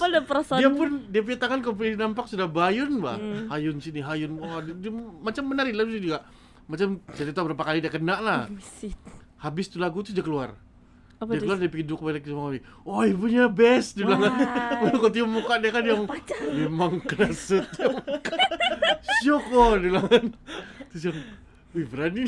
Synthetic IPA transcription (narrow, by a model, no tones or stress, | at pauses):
padpəsjapʊndiapuɲat̪aŋankalp̬uɲinampak̚sudahbajʊnba̰hajʊnsiniɦajʊnadmat͡ʃamːənaɾidlaɡusid͡ʒuɡaʔ | mat͡ʃamt͡ʃaɾit̪abəɾapakalidiakənaʔlah | habɪst̪ulaɡut̪̬ud͡ʒakəlua̰r | iakəluardipiɡidʊk̚balakismaŋani | oipuɲabɛsdilaŋankot̪̬iʊmːukaʔdiakanjaŋmemaŋkənasət̪̚amka | sʊkɔdilaŋant̪usjaŋ | ubəɾani